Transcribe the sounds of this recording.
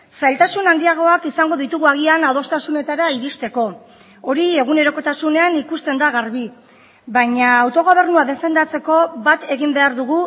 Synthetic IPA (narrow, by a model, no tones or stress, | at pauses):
sajlt̪asunand̪iaɣ̞o̞akisaŋɡo̞ð̞it̪uɣuaɣ̞ianað̞o̞st̪asune̞t̪aɾaiɾist̪e̞ko̞ | oɾie̞ɣ̞une̞ɾo̞ko̞t̪asune̞anikust̪e̞nd̪aɣaɾβi | βaɲaːwt̪o̞ɣ̞o̞β̞e̞rnuaðe̞fe̞nd̪at͡se̞ko̞βat̪e̞ɣimbe̞aɾðuɣ̞u